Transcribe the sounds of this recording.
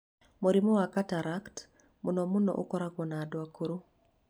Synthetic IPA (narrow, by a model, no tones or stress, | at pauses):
moɾimɔwakataɾakt | mʊnɔmʊnɔ̰ʔʊ̰kɔɾaɡɔnadwakoɾu